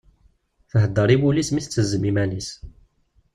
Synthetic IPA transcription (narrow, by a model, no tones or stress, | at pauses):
θəɦəd̪ːəɾˤiwulismiθət͡sːəzːəmimænis